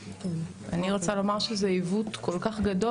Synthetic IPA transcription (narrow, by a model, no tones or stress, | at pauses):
aniʁot͡salo̞maʁʃezeivutko̞lkaχɡado